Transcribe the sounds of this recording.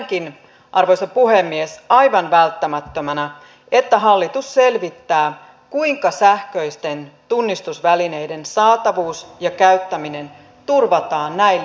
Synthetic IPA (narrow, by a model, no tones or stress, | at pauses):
kin | ʔɑrʋojsɑpuɦe̞mːiesɑjʋɑnʋælt̪ːæmæt̪ːømænæ | e̞t̪ːæɦɑlːit̪usːe̞lʋit̪ːæː | kuiŋkɑsæhkø̞jst̪e̞nt̪unːist̪usʋæline̞jde̞nsɑːt̪ɑʋuːsjɑkæyt̪ːæmine̞n | t̪urʋɑt̪ɑːnːæil